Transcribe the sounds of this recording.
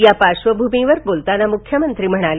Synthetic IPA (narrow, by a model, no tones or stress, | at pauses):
japaʃʋəbʱumĩʋəɾbolt̪anamʊkʰjəmənt̪ɾiməɽ̃al